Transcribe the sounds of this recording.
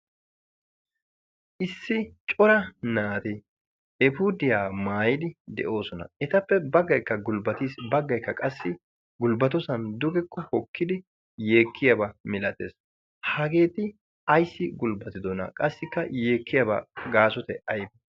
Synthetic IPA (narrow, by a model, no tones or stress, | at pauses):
ʔɪsːɪt͡ʃʼɔɾɐnaːt̪ɪ | ɛbud̪ɪjaːmaːjɪd̪ɪd̪ɛ̰ʔo̞ːsɔnɐ̰ɛt̪ɐpːɛbɐɡːɐjkːɐɡʊlbɐt̪iːsbɐɡːɐjkːɐkʼɐsːɪ | ɡʊlbɐt̪ɔsɐnd̪ʊɡɛkːɔhɔkʰːɪd̪ɪ | je̞ːkːɪjɐbɐmɪlɐt̪ḛːs | hɐɡe̞ːt̪ɪ | ɐjsːɪɡʊlbɐt̪ɪd̪ɔnɐ̰kʼɐsːɪkːɐje̞ːkːɪjabɐ̰ɡaːsɔt̪ɛɐjb